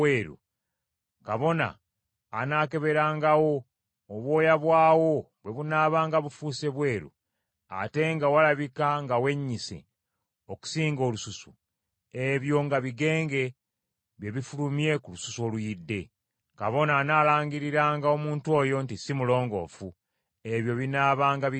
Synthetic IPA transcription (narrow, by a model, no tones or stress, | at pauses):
eːɾṵ | kaβo̞na̰ː | naːke̞βe̞ɾaːŋɡawo̞ː | βwo̞ːjaβwaːwo̞ | βwe̞βunaːβaːŋɡaβufuːse̞βwe̞ːɾṵ | a̰te̞ŋɡawalaβikaŋɡawe̞ɲːisḛ | oku̥siːŋɡo̞ːlususu̥ | e̞βjo̞ŋɡaβiɡe̞ːŋɡe̞ | βje̞βifulumje̞kulususuo̞lujidːe̞ | ka̰βo̞naːnaːlaːŋɡiɾiɾaːŋɡao̞muːntuo̞ːjo̞ntisimulo̞ːŋɡo̞̰fu | e̞βjo̞βinaːβaːŋɡa